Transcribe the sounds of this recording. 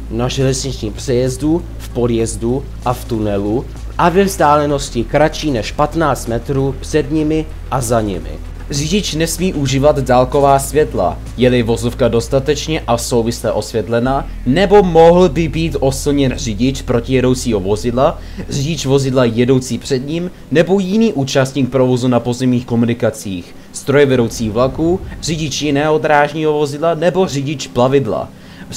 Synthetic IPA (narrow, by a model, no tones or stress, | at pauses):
naʒɛlɛzɲɪt͡ʃɲiːmpr̥ɛjɛzdu | fpo̞djɛzdu | ʔaft̪unɛlu | ʔavɛvzdaːlɛno̞scɪkɾat͡ʃiːnɛʃpat̪naːt͡st̪mɛt̪ɾuːpr̥ɛdɲɪmɪ | ʔazaɲɪ̰mɪ̰ | rɪɟɪt͡ʃnɛsmiːʔuʒiːvad̪daːlko̞vaːsvjɛt̪la̰ | jɛlɪvo̞zo̞fkado̞st̪at̪ɛt͡ʃɲɛʔaso̞wvɪslɛʔo̞svjɛt̪lɛnaː | nɛbo̞mo̞ɦl̩bɪbiːt̪ʔo̞sɪlɲɛnr̝ɪɟɪt͡ʃpɾo̞cɪjɛdo̞wt͡siːɦo̞vo̞zɪdla | r̝ɪɟɪt͡ʃvo̞zɪdlajɛdo̞wt͡siːpr̝̥ɛd̪ɲim | nɛbo̞jɪniːʔuːt͡ʃast̪ɲiːk̚pɾo̞vo̞zunapo̞zɛmɲiːxko̞munɪkat͡siːx | st̪ɾo̞jɛvɛdo̞wt͡siːɣvlakuːr̝ɪɟɪt͡ʃjɪnɛːɦo̞d̪ɾaːʒɲiːɦo̞vo̞zɪdlanɛbo̞rɪɟɪt͡ʃplavɪdla̰